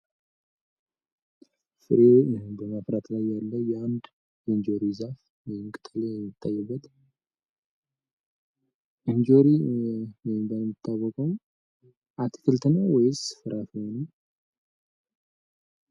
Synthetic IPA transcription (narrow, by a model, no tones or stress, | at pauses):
fɨɾobəmafɾat̪lajːalːəjɛand̪ | jɛnd͡ʒoɾizaf | wɛjmkʼɨt̪ʼlejɛmːɨt̪ʰːajːɛbːət̪ | ʔɨnd͡ʒoɾiwɔjmbəmːɨt̪ʰːaβəkʼom | ʔat̪ʰi̥kʰɨlt̪ʰənəwɔjɪzɨfɨɾʔafihonə